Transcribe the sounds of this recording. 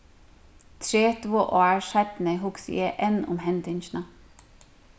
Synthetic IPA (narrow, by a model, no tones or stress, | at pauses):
t̪ʰɹeːt̪voʔɔːɹsɛt̪nəɦʊksɪjɛʔɛnʊ̰mɦɛnt̪ɪnt͡ʃna